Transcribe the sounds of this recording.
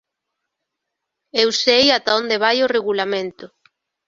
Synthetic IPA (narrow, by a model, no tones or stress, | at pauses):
ewsejat̪aond̪eβajoreɣulamẽnt̪ʊ